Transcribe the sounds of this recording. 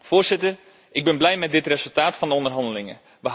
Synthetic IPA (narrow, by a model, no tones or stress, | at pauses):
v̥oːɹz̥ɪtər | ʔɪɡ̚bɛnblɛjmɛt̚dɪtrezɵlˠtaːtfɑndəɔndərɦɑndəlɪŋə̰ | ʋəɦ